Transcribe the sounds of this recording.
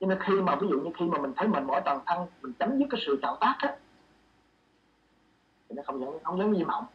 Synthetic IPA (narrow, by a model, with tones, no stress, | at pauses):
t͡ɕɔ˧ne˧nxi˧maː˨˩vi˨˦zṵ˧˨ɲɨ˧xi˧maː˨˩mi̟˨˩t̪ʰjmï˨˩ŋmɔ˧˩jt̪waː˨˩nt̪ʰa˧ŋ˨mï˨˩ŋ̟t͡ɕə˨˦mzɨ˦˥kːaː˨˦sɨ̰˧˨t͡ɕa̰ː˧˨wt̪aː˦˥k̚ʔaː˦ | t̪ʰi˨˩nɔ˨˦xə˧wŋ͡mzə̰˧˥ŋ˧xə˧wzə̰˨˦nzi˧˩ma̰˨˦ŋ͡m